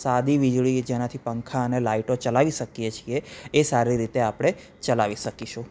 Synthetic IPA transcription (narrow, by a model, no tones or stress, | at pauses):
sad̪iʋid͡ʒɭid͡ʒenat̪ʰipəŋkʰaənelaiʈot͡ʃəlaʋiʃəkijet͡ʃʰieːsaɾiɾit̪eapɽ̃e | t͡ʃəlaʋiʃəkiʃu